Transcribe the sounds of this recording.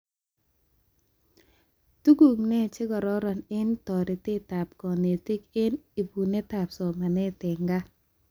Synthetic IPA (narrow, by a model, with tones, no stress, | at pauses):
tu˦ɡu˨ŋnɛ˦˨t͡ʃɪ˦ɡɔ˨ɾɔ˦ɾɔ˨nɪ˦ntɔ˨ɾɪ˨tɪ˦ta˨p̚kɔ˨ne˨ti˦kɪ˦ni˨bu˨ne˦ta˨psɔ˨ma˨nɛ˦tɪ˨ŋɡa˦